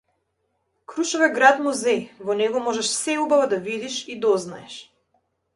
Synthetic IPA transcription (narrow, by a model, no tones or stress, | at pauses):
kɾuʃɔvɛɡɾat̪muzɛjvɔnɛɡɔmɔʒɛʃsɛubavad̪avid̪iʃid̪ɔznaɛʃ